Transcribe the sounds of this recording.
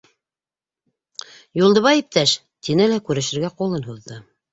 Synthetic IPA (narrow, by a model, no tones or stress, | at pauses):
julˠd̪ɤ̆βɑip̚t̪æʃ | t̪inɘlækʉɾɘ̆ʃɘ̆ɾɡæqulˠɤnɦuðːɤ